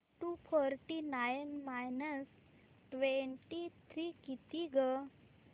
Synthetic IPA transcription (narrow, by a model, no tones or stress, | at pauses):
ʈupʰɔɾʈinajnmajnəs | ʈʋeɳʈit̪ʰɾikit̪iɡə